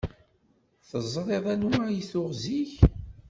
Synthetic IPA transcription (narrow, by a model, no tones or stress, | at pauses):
θəzˤɾˤeðˤænajiθʊʁziç